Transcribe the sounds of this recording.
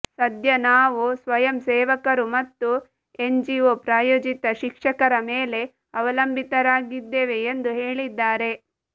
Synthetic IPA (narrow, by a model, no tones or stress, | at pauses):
sɐd̪ʱjɐnaːʋusʋɐjɐmseːʋɐkɐɾumɐt̪ːu | eɲd͡ʒioːpɾaːjoːd͡ʒit̪ɐʃikʂɐkɐɾɐmeːle̞ | ɐʋɐlɐmbʱit̪ɐɾaːɡid̪ːeːʋe̞ːnd̪uɦeːɭid̪ːaːɾe̞